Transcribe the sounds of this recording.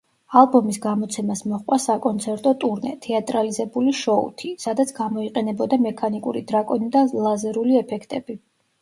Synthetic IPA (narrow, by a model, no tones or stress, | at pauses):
alˠbɔmisɡamɔt̪sʰɛmasmɔχqʼwasakʼɔnt̪sʰɛɾt̪ʼɔt̪ʼuɾnɛ̰t̪ʰɛat̪ʼɾalizɛbuliʃɔṵt̪ʰisad̪at̪sʰɡ̥amɔiqʼɛnɛbɔd̪amɛkʰanikʼṵɾḭd̪ɾakʼɔnid̪alˠazɛɾuliɛpʰɛkʰt̪ʼɛbi